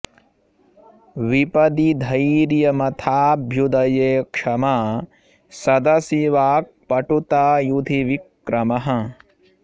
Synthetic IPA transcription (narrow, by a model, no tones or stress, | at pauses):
ʋipɐd̪id̪ʱɐjɾjɐmɐt̪ʰaːbʱjud̪ɐjeːkʂɐma | sɐd̪ɐsiʋaːk̚pɐʈut̪aːjud̪ʱiʋikː | ɾɐmɐɦɐ̆